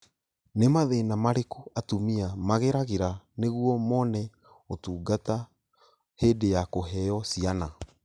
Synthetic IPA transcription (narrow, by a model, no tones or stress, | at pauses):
nemaðenamaɾekuatumiamaɣeɾaɣeɾaneɣuɔmɔnɛ | otuːɡata | heːdejakoɦɛjɔsiana